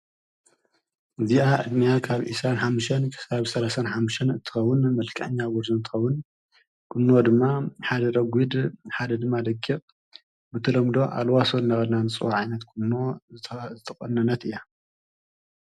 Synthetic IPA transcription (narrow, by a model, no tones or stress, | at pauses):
ɨziʔaʕɨ̰d̪nijakʰaβʔḭsɾanħamːuʃɐnkʰɨ̥aβsɐlasanħamːuʃɐnɨnt̪ʰːɨ̥xɐwːʊnmɐlkʰʼɐ̰ʕɲːawɔɾzɨnt̪ʰɨ̥xɐwːʊn | kʰɨnːod̪ɨmːaħad̪ɐɾɐɡʷid̪ħad̪ɐd̪ɨmːad̪ɐɡikʼ | bɨt̪ʰɐlɐmd̪o̞ʔa̰lwasonːɐɣɐd̪nanɨt͡sʼɨwaʕajnɐt̪kʰunːozɨt̪ʰɐkʼɐnːɐnːɐt̪ɨjːa